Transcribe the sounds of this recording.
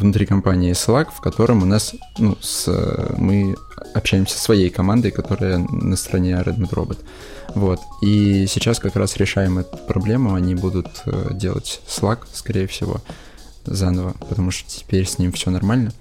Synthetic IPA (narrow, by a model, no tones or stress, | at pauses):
vnʊt̪ɾʲikɐmpanʲɪɪslˠakfkɐt̪o̞ɾəmʊnas | nusmɨ | ɐpɕæjɪmsʲə̥svɐjejkɐmand̪əjkɐt̪o̞ɾɨjənəst̪əɾɐnʲeɾɛ̰d̪mʲɪt̪ɾo̞̰bət̪ | vo̞t̪isʲɪt͡ɕaskɐkɾasɾʲɪʂajɪmɛt̪ət̪pɾɐblʲe̞mʊɐnʲibud̪ʊt̪dʲe̞̰lˠə̰tʲslˠakskɐɾʲejəfsʲɪ̰vo̞̰ | zanəvəpət̪ɐmuʂt̪o̥tʲɪ̥pʲeɾʲsʲnʲimfsʲonɐrmalʲnə